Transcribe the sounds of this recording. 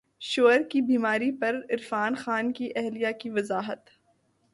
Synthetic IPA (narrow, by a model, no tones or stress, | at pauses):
ʃoːɾkibiːmaːɾipɐɾɪɾfaːnxaːnkiʔɛɦlijakiʋɐzaːɦət̪